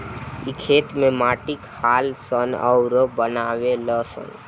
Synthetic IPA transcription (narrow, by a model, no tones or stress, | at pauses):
ikʰeːt̪mẽmaːʈikhaːlsənə̰ʊɾəbənaːʋeləsə̰n